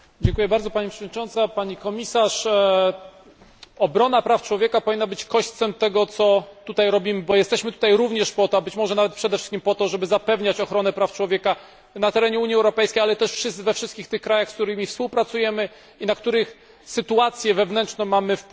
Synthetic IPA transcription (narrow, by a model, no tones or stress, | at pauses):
d͡ʑɛŋkujɛbaɾd̪ɔpaɲipʂəvɔd̪ɲʲit͡ʂɔnt̪sapaɲikɔmʲisaʂ | ɔbɾɔnapɾaft͡ʂwɔvʲjɛkapɔvʲinːabɘt͡ɕkɔɕt̪sɛmt̪ɛɡɔt̪sɔt̪ut̪ajɾɔbʲimɘbɔjɛst̪ɛɕmɘt̪ut̪ajɾuvɲɛʂpɔt̪ɔbɘt͡ɕmɔʐɛnavɛt̪pʂɛd̪ɛfʂɘ̥skʲimpɔt̪ɔʐɛbɘzapɛvɲat͡ɕɔxɾɔnɛpɾaft͡ʂwɔvʲjɛka | nat̪ɛɾɛɲɛuɲjiɛwɾɔpɛjskʲejalɛt̪ɛʂfʂɘsvɛfʂɘst̪kʲixt̪ɘxkɾajaxskt̪uɾɘmʲifspuwpɾat̪sujɛmɘ | inak̚t̪uɾɘx | sɘt̪uat̪sʲjɛvɛvnɛnt͡ʂnɔ̃mamɘf